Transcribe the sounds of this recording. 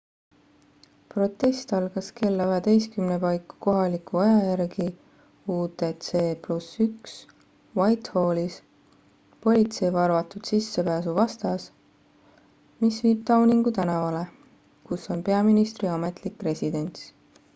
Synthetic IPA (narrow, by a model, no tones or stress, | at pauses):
pro̞t̪ːˑe̞st̪ɑlɡ̥ɑske̞lːɑɦet̪e̞jskymnepɑjkːu̥ko̞ɦɑlikuɑjɑjærɡi | uːt̪et̪seːplusyks | wɑjt̪ho̞ːlis | po̞lʲit̪se̞jvɑrvɑt̪ːˑud̪̥sisːe̞pæːsuvɑst̪ɑs | misviːb̥̚t̪ɑwniŋɡut̪ænɑvɑle̞ | kuso̞npe̞ɑminist̪riɑme̞t̪ˑlikːre̞sʲid̪e̞nʲt̪s